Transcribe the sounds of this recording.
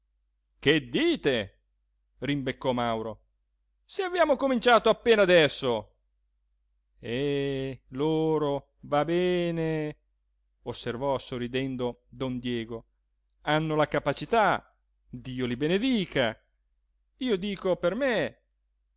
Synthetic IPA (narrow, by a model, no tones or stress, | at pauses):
ked̪ːiːt̪e | rimbekːɔmawɾo | seavjaːmokomint͡ʃaːt̪oapːeːnad̪ɛsːo | ɛ | loːɾo | vabɛːne | osːervɔsorːid̪ɛnd̪od̪ɔnd̪jɛːɡo | anːolakapat͡ʃit̪a | d̪iːolibened̪iːka | iːod̪iːkoperme